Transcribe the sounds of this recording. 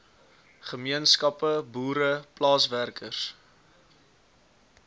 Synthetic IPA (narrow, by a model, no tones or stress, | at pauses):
χəmiənskɐpəbuːɾəplɑːsværkəs